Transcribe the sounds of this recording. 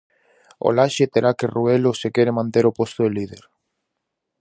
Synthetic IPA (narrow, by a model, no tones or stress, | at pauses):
o̰laʃet̪eɾakeruelosekeɾemãnt̪eɾopost̪oðelið̞eɾ